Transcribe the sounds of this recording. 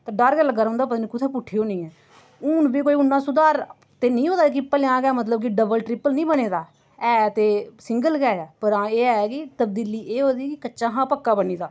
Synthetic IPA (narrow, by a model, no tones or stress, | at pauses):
t̪aːɖaɾkɛːləɡaːɾʊ̃ːnd̪aːpət̪nikʊt̪ʰɛːpʊʈʰːiːoːnĩːɛː | ʊːnbiːkoːiːʊnːãːsʊd̪aːɾ | t̪eːnĩːɦoːd̪aːk̬ɪpəlɪjãːkɛːmət̪ləb̚k̬ɪɖəbəlʈɾɪpəlnĩːbəneːd̪aː | ɛːt̪eːsɪŋɡəlkɛːɛːpəɾãːeːɛkɪt̪əb̚d̪iːliːʔeːɦoːd̪iːkɪkətːʃãːɦãːpəkːaːbəniːd̪aː